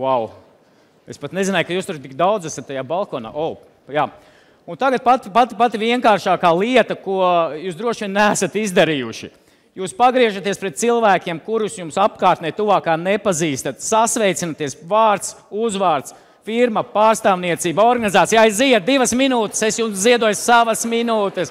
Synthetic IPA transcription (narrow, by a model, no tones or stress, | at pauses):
waw | espat̪nezinajkajuːst̪uɾt̪ik̚d̪awd̪zæsɐt̪ːajaːbalˠkɔːna̰ːʔɔː | jaː | unt̪aɡat̪̚pat̪ipat̪ipat̪iviɛŋkaːɾʃaːkaːlˠiɛt̪ɐkuɔjuːsd̪ɾuɔʃʋʲiɛnːæːsat̪izd̪aɾiːjuʃi | juːspaɡɾiɛʒat̪iɛspɾɛt̪̚t̪silˠvæːkʲiɛmkuɾusjumsap̚kaːɾt̪nɛjt̪uvaːkaːnepaziːst̪at̪sasʋɛjt̪sinat̪iɛsvaːɾt̪s | uzʋaːɾt̪s | fiɾmɐpaːɾst̪aːvniɛt̪siːbɔɾɡanizaːt̪ijaːjsziɛt̪̚d̪ivɐsminuːt̪e̥sesjumsd̪iɛd̪uɔjssaʋɐsminuːt̪ɛs